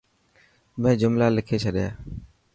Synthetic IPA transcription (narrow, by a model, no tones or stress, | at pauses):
mẽːd͡ʒʊmlaːlɪkʰeːt͡ʃʰəɗɪjaː